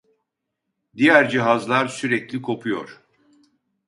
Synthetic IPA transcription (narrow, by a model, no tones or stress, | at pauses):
d̪ijæɾd͡ʒiɦazlˠaɾsyɾɛclʲikʰo̞pʰujo̞̰ɾ̥